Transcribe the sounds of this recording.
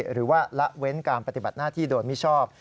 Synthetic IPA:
ɾɯː˩˦waː˥˩la˦˥ʔwe˦˥nkaː˧npa˧t̪i˨˩ba˨˩t̪̚naː˥˩t̪ʰiː˥˩doː˧nmi˦˥t͡ɕʰɔː˥˩p̚

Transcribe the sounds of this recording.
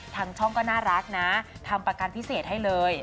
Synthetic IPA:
t̪ʰa˧˥ŋt͡ɕʰɔ˥˩ŋkɔː˥˩naː˥˩ɾa˦˥k̚na˦˥t̪ʰa˧mpɾa˧ka˧npʰi˦˥seː˨˩t̪̚ɦa˥˩jlɤː˧j

